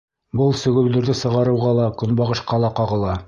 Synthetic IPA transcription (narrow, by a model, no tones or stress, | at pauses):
bɤlˠsɵ̆ɡɵ̆wlɵ̆ɾðɘsɤ̆ʁɑɾɤ̆wʁɑlˠɑkɵ̆nbɑʁɤ̆ʃqɑlˠɑqɑʁɤ̆lˠɑ